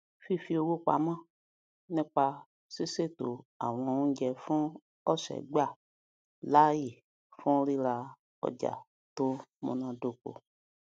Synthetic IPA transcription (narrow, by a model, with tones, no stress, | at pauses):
fi˦fi˦o˨˧wo˦k͡pa̰˨mã˦ | nẽ˦k͡pa˧ | si˦se˦˨t̪o˨a̰˨w̃ɔ̃˨ŋũ˦d͡ʒɛ˧fɔ̃˦ | ɔ˦ʃɛ̰˨ɡ͡ba˦˨ | la˦ji˨ | fɔ̃˦ɾi˦la˧ | ɔ̰˨d͡ʒa̰˨ | t̪o˦mõ̰˨nã˨do˨ko̰˨